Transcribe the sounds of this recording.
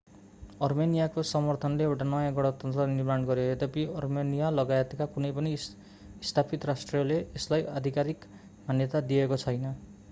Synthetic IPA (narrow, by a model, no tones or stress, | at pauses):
ʌrmenijakosʌmʌrt̪ʰʌnleewʈanʌjãɡɔɽʌt̪ʌnt̪ɾʌniɾmanɡʌɾoet̪apiʌrmenijalʌɡaet̪ekakunejpʌniː | st̪ʰapit̪ɾasʈrijʌleːslajad̪ʱikaɾik | mʱanjʌt̪ad̪iekot͡sʰʌjnʌ